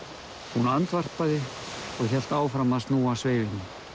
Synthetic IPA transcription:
hunant̪var̥paðɪ | ɔɣçɛl̥t̪aːwfɾamaðst̪nuːasveːjvɪnːɪ

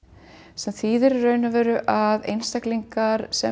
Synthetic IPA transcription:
sɛmθiːðɪɾrœːɥnʏvɛːɾʏʔaðḛjnst̪akliŋkaɾsɛ

